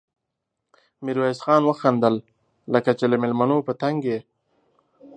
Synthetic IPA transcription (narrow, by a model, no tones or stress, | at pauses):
miɾwasxɑːnwəxand̪əl | ləkat͡ʃeləmɪlmanopət̪aŋɡe